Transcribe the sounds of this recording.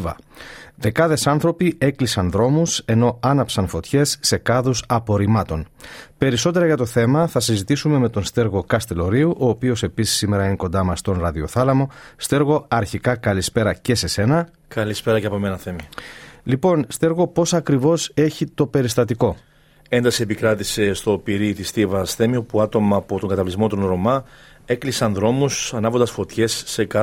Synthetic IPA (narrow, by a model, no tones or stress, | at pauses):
vɐ̰ðe̞kɐðe̞sɐnθɾo̞pie̞klisɐnðɾo̞muse̞no̞ɐnɐpsɐnfo̞t̪çe̞sːe̞kɐðusɐpo̞ɾimɐt̪o̞npe̞ɾiso̞t̪e̞ɾɐʝɐt̪o̞θe̞mɐθɐsizit̪isume̞me̞t̪o̞nst̪e̞ɾɣo̞kɐst̪e̞lo̞ɾiuʔo̞ːpio̞se̞pisi̥sːime̞ɾɐiniko̞nd̪ɐmɐst̪o̞nɾɐðio̞θɐlɐmo̞st̪e̞ɾɣo̞ɐɾçikɐkɐlispe̞ɾɐce̞se̞se̞nɐ | kɐlispe̞ɾɐceɐpomenɐθe̞milipo̞nst̪e̞ɾɣo̞po̞sɐkɾivo̞se̞çit̪o̞pe̞ɾist̪ɐt̪iko̞ | e̞nd̪ɐsie̞pikɾɐt̪ise̞st̪o̞piɾit̪ist̪ivɐsθe̞miopuɐt̪o̞mɐːpot̪o̞ŋɡɐt̪ɐvlizmo̞t̪onɾo̞mɐ | e̞klisɐnðɾo̞musɐnɐvond̪ɐsfo̞t̪çe̞sːe̞kɐ